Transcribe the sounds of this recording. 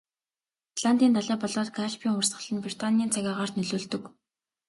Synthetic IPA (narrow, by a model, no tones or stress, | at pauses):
ɮant̪iːnt̪aɮæːpɔɮɔːt̪̚ɡʰaʃpʰiːŋʊrsɢə̆ɮə̆npri̥t̪ʰaniːnt͡sʰaɣʲaːʁaːr̥t̪nɵɮoːɮt̪ɵ̆k